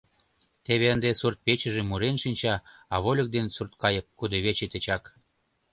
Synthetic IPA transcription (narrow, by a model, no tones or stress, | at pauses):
t̪eβeənd̪esurt̪̚pet͡ɕə̆ʒemuɾenʃinʲt͡ɕɑɑβolʲə̆k̚d̪ensurt̪̚kɑjəp̚kud̪ɤβet͡ɕet̪et͡ɕɑk